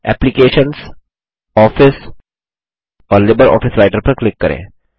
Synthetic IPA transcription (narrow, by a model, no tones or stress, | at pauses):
ɛ̰ːplɪkeːʃəns | ɔːfɪs | ɔːɾlɪbəɾɔ̰ːfɪsɾaɪʈəɾpɐɾklɪkːɐɾʔḛ̃ː